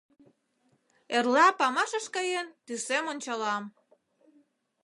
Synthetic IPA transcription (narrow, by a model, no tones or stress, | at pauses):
erlɑpɑmɑʃəʃkɑjent̪ysemonʲt͡ɕɑlɑm